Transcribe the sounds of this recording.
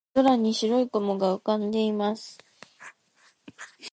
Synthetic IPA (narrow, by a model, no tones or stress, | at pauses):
aɾaɲ̟iɕiɾo̞ikomoɡaɯ̟kãnd̪e̞imasɨ̥